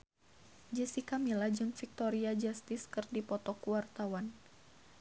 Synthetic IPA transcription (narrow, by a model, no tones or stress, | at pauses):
d͡ʒəsikamilad͡ʒɨŋfik̚t̪ɔɾiad͡ʒast̪ɪskɨrdipɔt̪ɔkuwart̪awan